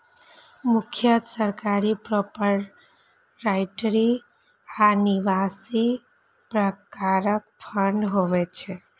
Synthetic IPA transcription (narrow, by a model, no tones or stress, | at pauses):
mʊkʰjət̪səɾkaɾipɾɔpəɾ | ɾaɪʈɾi | aniʋasi | pɾəkaɾək̚pʰəɳɖɦoʋɛt͡ʃʰe